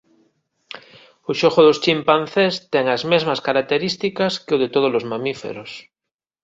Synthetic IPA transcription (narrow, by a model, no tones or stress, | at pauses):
oʃoxoðost͡ʃimpan̟θest̪eŋazmezmaskaɾak̚t̪eɾist̪ikaskeoð̞et̪oð̞olozmãmifḛɾos